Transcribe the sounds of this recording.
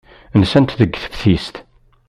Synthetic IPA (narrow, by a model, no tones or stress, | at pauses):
nsænt̪ðəɡːθə̥fθist̪